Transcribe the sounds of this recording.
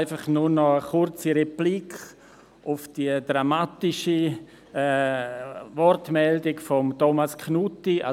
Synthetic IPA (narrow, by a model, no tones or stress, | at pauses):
ɪfaχnunɔəχʊɾt͡siɾeplikχ | ʔʊfd̥iədɾamatɪʃi | ɛ | vɔrtmɛldɪkfɔmtomaskʰnutia